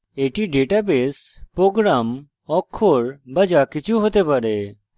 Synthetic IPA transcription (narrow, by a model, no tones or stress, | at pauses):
eːʈiːɖeːʈaːbeːspɾoːɡɾaːm | ɔːkʰːoːɾbəd͡ʒaːkɪt͡ʃʰuɦoːt̪eːpəɾeː